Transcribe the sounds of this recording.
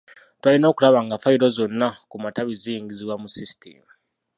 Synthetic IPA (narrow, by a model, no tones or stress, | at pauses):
twalino̞ːkulaβaŋɡafaiɾo̞zo̞nːakumataβiziːŋɡiziβwamusisi̥tʰḛmu